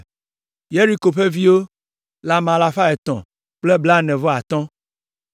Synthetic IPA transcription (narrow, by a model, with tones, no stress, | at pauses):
je˦ɾi˦ko˨ɸe˦vi˦wo˦ | la˨mã˨la˨fa˦ɛ˨t̪ɔ̰̃˨ | k͡ple˦bla˦nɛ̃˨vɔ˦a˨t̪ɔ̃˦